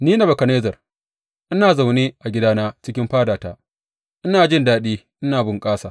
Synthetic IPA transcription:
niː˦na˨bɐ˨kɐ˨neː˦zɐ˨r | ʔɪ˦naː˨za˨wneː˦ʔa˨ɡʲɪ˦daː˦naː˦t͡ʃɪ˦kʲɪ˦mɸaː˦daː˨ta̰ː˦ | ʔɪ˦naː˨d͡ʒɪ˦ndaː˦ɗiː˦ʔɪ˦naː˨bʊ˦ŋkʼaː˦saː˨

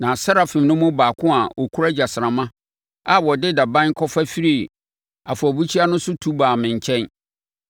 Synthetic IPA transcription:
nã˨sa˦ɾa˨fɪ̃˨mnʊ̃˦mʊ̃˦baː˨kʰʊ̃˦a˨ʔɔ˨kʰu˦ɾa˦d͡ʑa˨sɾã˨mã˦ | a˨wɔ˨dɪ˦da˨bã˦n˦kʰɔ˦fa˦fi˦ɾi˦˨ | a˨fʊ˨ɔ˨bu˦t͡ɕʰi˦a˦nʊ̃˦sʊ˦tʰu˦baː˨mɪ̃˨ɲ˨t͡ɕʰɛ̃˦n

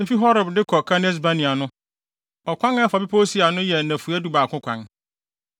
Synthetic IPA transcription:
e˦fi˦ɦɔ˦ɾʊ˨bdɪ˦kʰɔ˨kʰa˦nɪ˦s̬ba˦nɪ̃˨a˨nʊ̃˦ | ɔ˨kʷã˦nɛ˦fa˨bi˦pʰo˦si˦a˨nʊ̃˦jɛ˨nã˨fu˨a˦du˦baː˨kʰʊ̃˦kʰʷã˨n

